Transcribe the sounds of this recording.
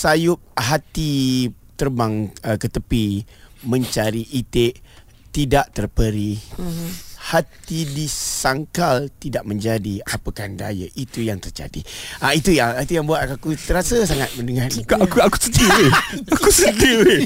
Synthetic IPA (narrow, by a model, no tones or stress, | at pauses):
sajʊp̚ɦat̪i | t̪ərbaŋəkət̪əpi | mə̃ɲt͡ʃaɾiʔit̪eʔ | t̪idaʔt̪ərpəɾi | hat̪idisaŋkalt̪idaʔmə̃ɲd͡ʒadiapəkanda̰jə̰ʔit̪ujaŋt̪ərd͡ʒa̰dḭait̪ujaŋait̪ujaŋbuat̪̚kakut̪əɾasəsaŋat̪̚mə̃ndəŋariakaku̥sət̪iiakusət̪iwi